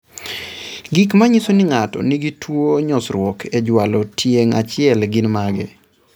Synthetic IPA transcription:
ɡikmaɲisonɪŋatɔ̰niɡitwoɲɔsɾwɔkʰed͡ʒwalɔtʰjeŋa̰t͡ʃɪɛlɡɪnmaɡɪ̰

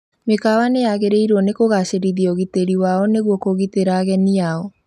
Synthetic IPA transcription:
mekawaneaɣeɾeiɾwɔnekoɣaʃeɾiðiɔɣiteɾiwaɔneɣwɔkoɣiteɾaɣɛniaɔ

